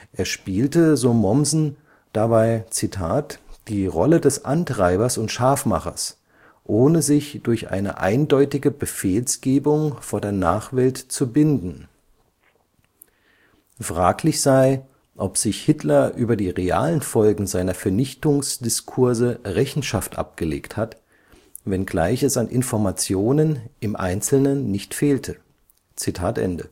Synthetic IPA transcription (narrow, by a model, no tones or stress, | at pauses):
ʔeːɐʃpiːltəzoːmɔmzn̩ | d̥abaɪt͡sitʰaːtd̥iːʁɔlədɛsʔa̰ntʁ̥aɪbɐsʊntʃaːfma̰χɐ̰s | ʔoːnəzɪçd̥ʊɐçʔa̰ɪnə̰ʔa̰ɪndɔʏtɪɡəbəfeːlsɡ̥eːbʊŋfoːɐdeːɐna̰ːχv̥ɛltt͡subɪndn̩ | fʁ̥aːklɪçz̥aɪ | ʔɔpz̥ɪçhɪtlɐʔyːbɐdiːʁea̰ːlənfɔlɡŋ̩zaɪnɐfɛɐnɪçtʊŋsd̥ɪskʰʊɐzəʁɛçn̩ʃaftʔa̰p̚ɡ̥əlḛːkthat | vɛnɡla̰ɪçɛsanʔɪ̰nfɔɐmat͡sjoːnənʔɪmʔa̰ɪnt͡sl̩nənːɪçtfeːltʰə | t͡sitʰaːtʔɛ̰ndə̰